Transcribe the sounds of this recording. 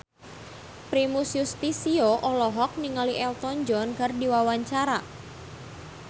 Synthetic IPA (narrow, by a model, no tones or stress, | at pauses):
pɾimusjust̪isioʔɔlɔɦɔk̚niŋaliʔɛlt̪ɔɲd͡ʒɔnkardiwawaɲt͡ʃaɾa